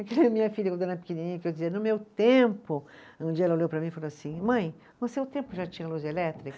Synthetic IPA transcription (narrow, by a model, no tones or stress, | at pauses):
ɐkelɛɐmĩɲɐfiʎɐkõd̪ɐɾnɐpi̥kininĩɲɐkɪewd͡ʒɪziɐnʊmewt̪ẽmpʊ | ũd͡ʒiɐɛlɐoljewpɾɐmĩfaloasĩmɐ̃j̪̃ | ɐ̃seʊt̪ẽmpʊʒat͡ʃĩɲɐluzelɛt̪ɾikɐ